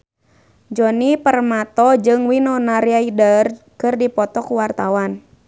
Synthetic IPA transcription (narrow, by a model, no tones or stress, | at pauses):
d͡ʒɔnipərmat̪ɔd͡ʒɨŋwinɔnaɾiaidər | kɨrdipɔt̪ɔkuwart̪awan